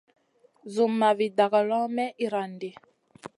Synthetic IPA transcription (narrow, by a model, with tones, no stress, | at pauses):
zu˨mːa˨vi˨da˨ɣa˨lɔ̃˦mɛ˦ʔi˨ɾa˨nde˨